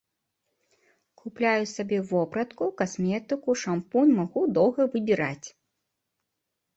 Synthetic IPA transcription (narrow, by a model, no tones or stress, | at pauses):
kʰuplʲajusabʲɛvɔpɾɐt̪kukasmʲɛt̪ɨkuʂampunmaɣud̪ɔwɣɐvɨbʲiɾat͡sʲ